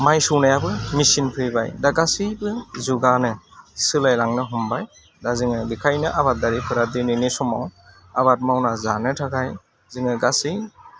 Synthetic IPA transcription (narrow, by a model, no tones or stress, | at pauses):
majsɯwnajabɯmisinpʰɾiba̰jdaɡasibɯzuɡanɯsɯlajlaŋnɯɦɔmbaj | dazɯŋɯbikʰajnɯʔaβat̚daɾipʰɯɾadininesɔmaw | aβat̚mawnazanɯtʰaɡaj | zɯŋɯɡasi